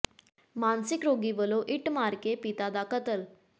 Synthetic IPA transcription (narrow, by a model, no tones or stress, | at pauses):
mansikɾoɡiːbəloʔiʈmaɾkepit̪ad̪akət̪əl